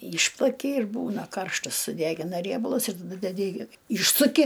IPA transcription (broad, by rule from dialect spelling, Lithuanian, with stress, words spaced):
ˈiːʃplˠɐkʲɪ ɪr ˈbuːnɐ ˈkɐrʃtɐs sʊˈdʲæːɡʲɪnɐ ˈrʲiɛbɐlˠʊs ɪr ˈnʊ dʲɛˈdʲɪ ɪ ˈiːʃsʊkʲɪ